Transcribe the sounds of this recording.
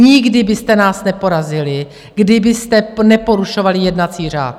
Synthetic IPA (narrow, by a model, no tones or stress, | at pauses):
ɲɪɡdɪbɪst̪ɛnaːsnɛpo̞ɾazɪlɪ | ɡdɪbɪst̪ɛnɛpo̞ɾuʃo̞valɪjɛdnat͡siːr̝a̰ːt̪̚